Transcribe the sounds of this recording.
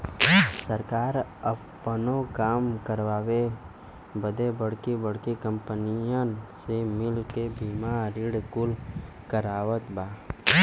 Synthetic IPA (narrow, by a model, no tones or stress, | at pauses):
səɾkaːɾəpː | ənokaːmkəɾʋaːwe | bəd̪ebəɽ̤kebəɽkekə̃mpənijəsemɪlkebiːmaːɾɪɽkʊl | kəɾaːʋət̪baː